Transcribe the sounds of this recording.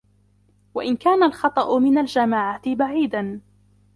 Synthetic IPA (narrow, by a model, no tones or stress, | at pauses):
waʔɪnkaːnalxɑt̪ˤɑʔʊmɪnald͡ʒamaːʕat̪ɪbaʕiːd̪an